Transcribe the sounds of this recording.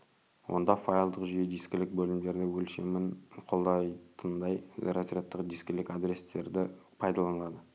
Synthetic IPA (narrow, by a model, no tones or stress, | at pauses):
wʔo̞̰nd̪ɑfajlˠd̪əqʒʏjed̪ijskʲɪlɪk̚bɵlɪmd̪e̞ɾd̪ɪwɵlʃemɪnqʰo̞lˠd̪ɑjt̪ʰənd̪ɑjɾɑsɾʲet̪ːəqd̪iskʲɪlɪkad̪ɾe̞st̪e̞ɾd̪ɪpʰɑjd̪ɑlˠɑnlˠɑd̪ə